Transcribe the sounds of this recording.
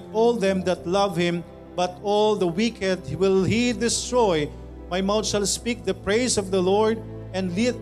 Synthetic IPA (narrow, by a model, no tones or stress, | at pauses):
t̪ɔlˠd̪ɛ̃md̪at̪lʌvhɪ̃m | bʌt̪ɔld̪əwikʰɛ̃d̪wɪlhid̪ɪst̪ɹɔj | majmawt̪ʃalspik̚d̪ɐpɹeɪsɔvd̪ɐlɔɹd̪ | ɛ̃ndlit̪̚